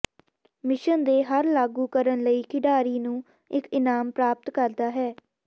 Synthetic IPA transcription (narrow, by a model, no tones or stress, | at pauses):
mɪʃənd̪eːɦəɾlaːɡuːkəɾənləiːkɪɖaːɾiːnũː | ɪkɪnaːmpɾaːp̚t̪kəɾd̪aːɦɛː